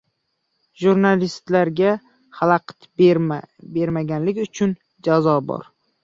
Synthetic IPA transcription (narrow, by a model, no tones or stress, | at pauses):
ʒuɾnalist̪laɾɡʲa | halˠaqʰt̪ | be̞ɾmaɡʲanlɪkʲʊt͡ʃʰʊn | d͡ʒazɒbɒ̰ɾ